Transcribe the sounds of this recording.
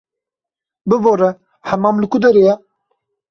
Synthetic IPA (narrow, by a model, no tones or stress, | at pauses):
bɨvoɾɛ | hɛmɑːmlɨkud̪ɛɾejɛ